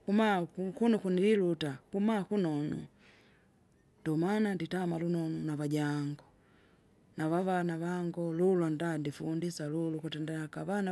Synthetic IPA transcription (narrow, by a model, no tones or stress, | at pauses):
kumakukunukunililutakumakunɔnṵ | nd̥ɔmananditamalunɔnunaβaɟaŋɡɔ | navavanaβaŋɡɔlulwandandifundisalulukutɛndɛakavana